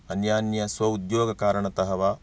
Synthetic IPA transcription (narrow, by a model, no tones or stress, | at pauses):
ɐnjaːnjɐsʋɐud̪joːɡɐkaːɾɐɳɐt̪ɐɦɐʋa